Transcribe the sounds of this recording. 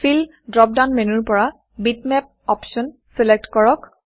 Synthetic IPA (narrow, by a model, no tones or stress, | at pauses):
fʰil | dɹɔp̚danmenuɹpɔɹa | bitmɛp̚ɔpsɔn | sɛlɛk̚tkɔɹɔk